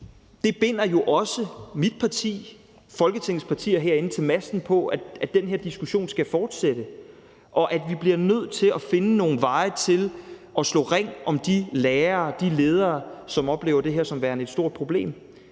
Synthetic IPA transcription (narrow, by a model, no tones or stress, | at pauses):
d̥e̝b̥e̝n̰ɐjo̝ʔɒ̽səmid̥̚pʰɑ̈t͡sʰḭː | fɒ̽lɡ̥ət͡sʰeŋ̩ˠspʰɑ̈t͡sʰḭːɐɦeɐ̰e̝nət͡sʰe̝lmæsd̥n̩pʰɒ̽ææd̥enɦe̝ɐd̥isɡ̥uɕo̝̰ːnsɡ̥æfɒːd̥sed̥ə | ʔɒ̽ʔæd̥ʋib̥liɐnøð̞̰ˠt͡sʰe̝lɒfe̝nəno̝ːn̩ʋɑ̈ɪt͡sʰe̝lʔɒ̽slɔ̰ːʁaŋ̰ɒ̽md̥ileːɐːd̥ile̝ːð̞ˠɐːsɒ̽mɒ̽b̥le̝ːʊɐd̥e̝ɦeɐsɒ̽mʋæːɐne̝d̥sd̥o̝ɐ̰d̥̚pʰʁo̝b̥le̝̰ːm